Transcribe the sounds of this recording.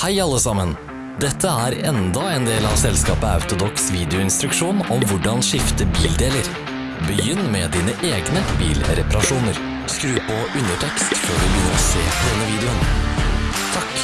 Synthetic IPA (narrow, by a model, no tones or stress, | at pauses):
hæɪɑlːəsɑmən | d̪ɛt̪ʰːəæːɾɛnd̪ɑeːnd̪eːlɑʋsɛlskɑːpəɑ̰ʉt̪ʊd̪ɔksʋiːd̪ɪʊɪnst̪ɾʉkʂuːnɔmʋʊɖɑnʂɪft̪əbiːld̪eːləɾ | bəjʏnːmɛd̪iːnəʔeːɡnəbḭːlɾɛpɑɾɑʂuːnəɾ | skɾʉːpɔʉnəʈʰɛkst̪føːɖʉbjʏnːəɾɔsḛːd̪ɛnːəʋiːd̪ɛʊn | t̪ʰɑk